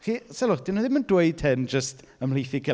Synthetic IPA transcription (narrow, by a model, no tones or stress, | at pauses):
χiːsɛlˠʊrd̥ɪnɔðɪməndweɨd̚tʰɛnd͡ʒəst | əmlˠejθiɡɪ